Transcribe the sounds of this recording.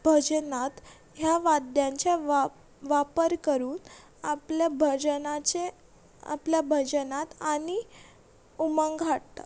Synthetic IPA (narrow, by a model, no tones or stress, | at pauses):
bʱəd͡ʑənat̪ | ɦjaʋad̪jãɲt͡ɕe | ʋapəɾkəɾuːn | aplabʱəd͡ʑənat͡ɕe | a̰pljabʱəd͡ʑənat̪ani | umaŋɡʱaʈt̪a̰